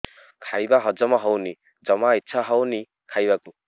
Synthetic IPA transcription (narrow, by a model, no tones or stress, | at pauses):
kʰajbaɦʌd͡zʌmaɦɔwni | d͡zʌmaitːsʰaɦʌwni | kʰajbaku